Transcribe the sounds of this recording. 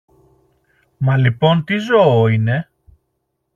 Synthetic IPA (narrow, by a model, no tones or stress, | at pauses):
mɐlipo̞nt̪izo̞oine̞